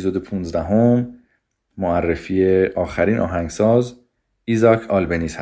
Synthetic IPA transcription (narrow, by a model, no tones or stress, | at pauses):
izod̪epʰuːnzd̪æɦomː | oærːefijeʔɒːxæɾiːnʔɒ̰ːɦæŋɡsɒːz | izɒkʰɒːlbeniːshæ